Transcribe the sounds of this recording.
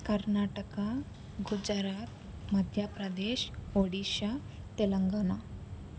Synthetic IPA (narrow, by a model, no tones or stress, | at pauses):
kəɾnaʈəka | ɡud͡zaɾat̪̚ | məd̪ʱjapɾad̪eɕoɽiɕa | t̪eləŋɡana